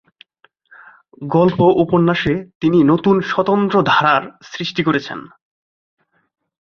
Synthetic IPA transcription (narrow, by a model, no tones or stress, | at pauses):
ɡɔlpoʔuponːaʃet̪ininot̪unʃɔt̪ont̪ɾod̪ʱaɾaɾsɾiʃʈikoɾet͡ɕʰḛn